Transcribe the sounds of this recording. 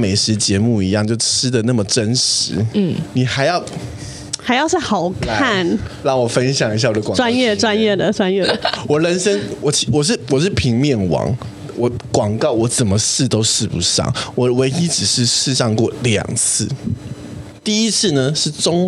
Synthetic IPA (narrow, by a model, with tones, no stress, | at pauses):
me˨˩ɪʂɻ̩˧˥t͡ɕjɛ˧˥mu˥˩i˧˥jɑ˥˧ŋt͡ɕjo˥˩ʊʈ͡ʂ̩ʰ˥d̪ə˨na˥˩mə˨˩ʈ͡ʂə˦˥nʂɻ̩˧˦˥ni˨˩xa˧˥ɪjɑ˥˩ʊ | xa˧˥ɪjɑ˥˧ʊʂɻ̩˥˩xɑ˨˩ʊkʰa˥˩nɻɑ˥˩ŋwɔ˨˩fə˦nɕjɑ˨˩ŋi˧˥ja˥˩wɔ˨˩d̪ə˦˧kwa˦njɛ˥˩ʈ͡ʂwa˥˦njɛ˥˩d̪ə˩ʈ͡ʂwa˥njɛ˥˩d̪ə˩wɔ˨˩ɻə˧˥nʂə˥nwɔ˨˩t͡ɕʰi˧˥wɔ˨˩ʂ̬ɻ̩˥˩wɔ˨˩ʂ̬ɻ̩˥˩pʰi˧˥ŋmjɛ˥˩nwɑ̰˧˥ŋ | wɔ˨˥kwɑ˨˩ŋkɑ˥˩ʊwɔ˧˥t͡sə˨˩nmə˦ʂɻ̩˥˩t̪o˥ʊʂɻ̩˥˩pu˨˦ʂɑ̰˥˩ŋwɔ˨˦we˧˥ɪi˥ʈ͡ʂɻ̩˨˩ʂɻ̩˥˧ʂɻ̩˥˧ʂɑ˥˧ŋkwɔ˥˩ljɑ̰˨˩ŋt͡s̩ʰ˥˩ | t̪i˥˩i˦˥t͡s̩ʰ˥˩nə˨ʂɻ̩˥˩ʈ͡ʂʊ˥ŋ